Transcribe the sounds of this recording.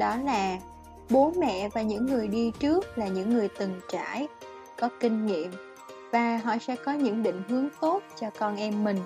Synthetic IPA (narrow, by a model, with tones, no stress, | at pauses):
ɗɔ˨˦laː˨˩ | ɓo˨˦nmɛ̰˧˨vaː˨˩ɲɨ̰˧˥ŋːɨ˨˩əjɗi˧t͡ɕɨ˦˥ək̚laː˨˩ɲɨ̰˧˥ŋːɨ˨˩əjt̪ɨ˨˩ŋt͡ɕa̰ː˧˩˥j | kɔ˨˦kï˧ŋ̟ŋḭ˧˨əm | vaː˨˩ɦɔ̰˧˨sɛ̰˧˥kɔ˨˦ɲɨ̰˧˥ŋɗḭ̈˧˨ŋ̟ɦɨ˨˦əŋt̪o˦˥t̚t͡ɕɔ˧kɔ˧nʔɛ˧mːï˨˩ŋ̟